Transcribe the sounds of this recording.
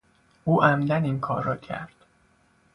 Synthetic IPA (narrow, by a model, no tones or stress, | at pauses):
ʔuːʔæmd̪æninkʰɒːɾːɒːcʰæ̰ɾd̪̥